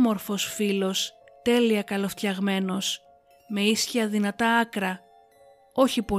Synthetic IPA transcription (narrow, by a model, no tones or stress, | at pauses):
mo̞ɾfo̞sfilo̞s | t̪e̞liɐkɐlo̞ft̪çɐɣme̞no̞s | me̞isçiɐðinɐt̪ɐɐkɾɐ | o̞çipo